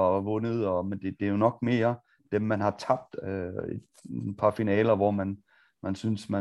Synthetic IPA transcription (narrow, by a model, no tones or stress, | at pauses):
ʋɔ̽nəðˠɒ̽mend̥e̝d̥e̝jo̝nɒ̽ɡ̥̚me̝ːɐ | d̥emːænhɑ̈t͡sʰɑ̈b̥̚d̥øed̥pʰɑ̈finɛːlɐʋɒmæn | mænsynsmæ